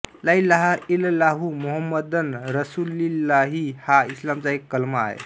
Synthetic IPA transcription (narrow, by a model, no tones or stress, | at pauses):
ləiləɦaillaɦumuɦəmːəd̪ənɾəsulilːaɦihaislamt͡saekːəlməa̰ḛ